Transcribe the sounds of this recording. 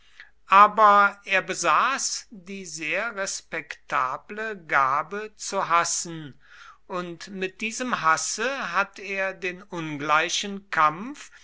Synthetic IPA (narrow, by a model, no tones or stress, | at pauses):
ʔaːbɐʔeːɐbəzaːsd̥iːzeːɐʁɛspɛktʰaːbləɡaːbət͡suɦasn̩ | ʔʊntmɪt̚d̥iːzəmɦasəɦateːɐdeːnʔʊnɡlaɪʃənkʰamf